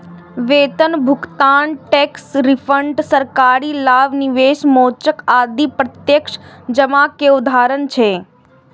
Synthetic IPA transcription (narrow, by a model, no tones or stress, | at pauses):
ʋeːt̪ənbʱʊkt̪aːnʈeksɾɪfʰəɳʈsəɾkaːɾilaːʋniʋeːʃmoːt͡ʃəkaːd̪ipɾət̪jəkʃd͡ʒəmakeʊd̪ʱaːɾənt͡ʃʰeː